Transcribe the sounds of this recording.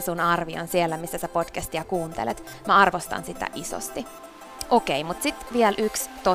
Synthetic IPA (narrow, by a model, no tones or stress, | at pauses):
sunɑrʋio̰nsielːæmisːæsæpod̥kæst̪iɑkuːnt̪ḛlet̪ | mæɑrʋost̪ɑ̰nsit̪æ̰ʔiso̰st̪i | ʔokeimut̪sit̪ʋielʔykst̪o